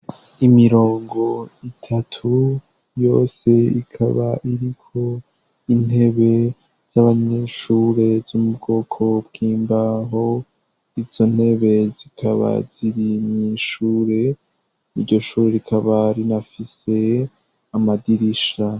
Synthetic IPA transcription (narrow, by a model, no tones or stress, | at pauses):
imiɾo̞ːŋɡo̞itʰatʰu | jo̞ːse̞ḭkʰa̰βa̰ʔiɾikʰo̞ | in̥he̞βe̞ | z̥aβaɲeʃuːɾe̞zumubɡo̞ːkʰo̞bɡiːmbaɦo̞ | iz̥o̞n̥he̞βe̞zikʰaβa̰ziɾimɲiʃuːɾe̞ | niɾɟo̞ʃuːɾe̞ɾikʰaβaɾinafise̞ | amadiɾiʃa